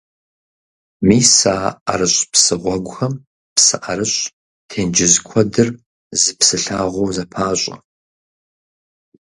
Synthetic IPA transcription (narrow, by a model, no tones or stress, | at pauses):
miːsaːa̰ɾɨɕʼpsɨʁʷɔɡʷʊxɐm | psɨʔaɾɨɕʼ | tʰeːnd͡ʒɪzkʷʰɐdɨr | zɨpsɨɬaːʁʷoːzɐpʰaːɕʷʼɐ̰